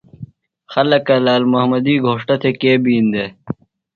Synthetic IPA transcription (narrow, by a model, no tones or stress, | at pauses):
xɐlɐkɐlaːlmɐɦmɐd̪iːɡʱoːʂʈɐt̪ʰekeːbiːnd̪eː